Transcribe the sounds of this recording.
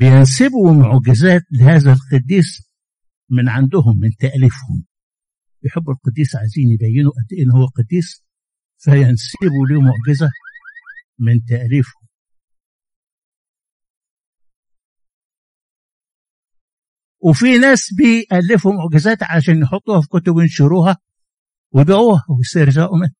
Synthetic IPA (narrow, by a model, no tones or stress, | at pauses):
bɪjensɪbumoʕɡɪzæːt̪lɪhæːzælqɨd̪ːiːs | mɪnʕand̪ʊɦʊmːɪnt̪æʔlifhʊ̰m | bɪjħebːʊlqɑd̪ːiːsʕaziːnjebæjːɪnuʔæd̪ːeʔenːhowːæqɑd̪ːiːs | fæjænsɪbuliːmoʕɡɪzæ | mɪnt̪æʔliːfhʊm | wefinæːsbeʔælːɪfhʊmʊʕɡɪzæːt̪ʕalæʃæːnjeħot̪ˤːuːhæfikʊt̪ʊbjenʃoɾuːhæ | wejb̪ʕuːhæwjst̪eɾʒæːʔumen